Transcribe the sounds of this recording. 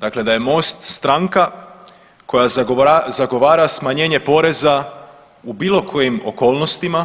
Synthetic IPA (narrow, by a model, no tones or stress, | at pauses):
d̪akle̞d̪aje̞mo̞ːst̪st̪ɾaŋka | ko̞jazaɡo̞ʋaːɾasmaɲe̞ːɲe̞po̞ɾe̞za | ubiːlˠo̞kʰo̞jimoko̞ːlˠno̞st̪ima